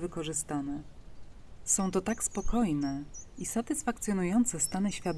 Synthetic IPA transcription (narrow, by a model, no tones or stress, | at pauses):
vɘkɔʐɘst̪anɛ | sɔ̃w̃t̪ɔt̪akspɔkɔjnɛisat̪ɘsfakt̪sʲjɔnujɔnt̪sɛst̪anɘɕfʲjad̪